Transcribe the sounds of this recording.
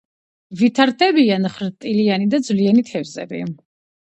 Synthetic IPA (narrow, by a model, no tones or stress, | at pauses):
vit̪ʰaɾt̪ʰɛbianχɾt̪ʼilianid̪ad̪zvliɛnit̪ʰɛvzɛ̰bḭ